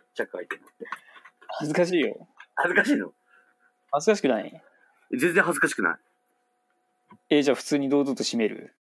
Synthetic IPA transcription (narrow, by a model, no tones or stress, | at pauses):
t͡ɕakɯait̪enat̪ːehazɨkaɕ̬iːjo̞̰hazɨkaɕiːno̰ | hazɨkaɕ̬i̥kɯ̟naḭ | ed͡zẽ̞nd͡zẽɦazɨkaɕi̥kɯna̰i | e̞d͡ʑaːɸɯ̟̥t͡sɨːɲ̟id̪o̞ːd̪ot̪ːo̞ɕime̞ɾɯ̟̰